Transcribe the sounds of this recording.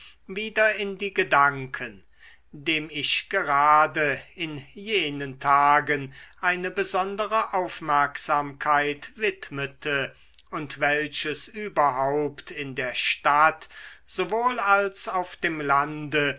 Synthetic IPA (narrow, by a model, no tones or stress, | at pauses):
viːdɐɪndiːɡədaŋkʰən | deːmɪʃɡ̥əʁaːdəɪnjeːnəntʰaːɡənʔaɪnəbəzɔndəʁəʔaʊfmɛɐkz̥aːmkʰaɪtvɪtmətʰə | ʊntv̥ɛlɕəsʔyːbɐɦaʊptʰɪndeːɐʃtatz̥ovoːlalsaʊfd̥eːmlandə